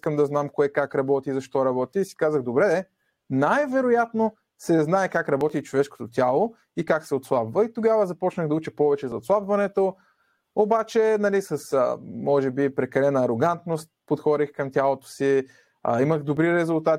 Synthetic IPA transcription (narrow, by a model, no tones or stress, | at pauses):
skəmd̪ɐznamkoɛkakɾɐbɔt̪izɐʃt̪ɔɾɐbɔt̪iːsi̥kazəɣd̪obɾɛ | najvɛɾojat̪no | sɛznaɛkakɾɐbɔt̪it͡ʃovɛʃko̥t̪ot̪ʲjalˠo | ikaksɛot̪slˠabvəit̪oɡavəzɐpɔt͡ʃnəɣd̪ɐut͡ʃɛpɔvɛt͡ʃɛzɐot̪slˠabvɐnɛt̪o | obat͡ʃɛnɐlisəsə̰mɔʒɛbipɾɛkɐlɛnɐːɾoɡant̪nost̪̚pot̪xɔd̪ixkɐmt̪ʲalˠot̪o̥sḭ | iməxd̪obɾiɾɛzʊlˠt̪at̪